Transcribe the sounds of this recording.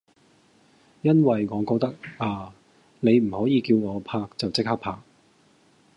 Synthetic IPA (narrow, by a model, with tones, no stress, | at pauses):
jɐ˥nwɐ˨jŋɔː˨˧kɔː˧k̚t̪ɐ˥k̚aː˨˧ | ne˨˧jm̩˨˩hɔː˨˥jiː˨˧kiː˧wŋɔː˨˧pʰaː˧k̚t͡sɐ˨wt͡sɪ˥k̚haː˥kpʰaː˧k̚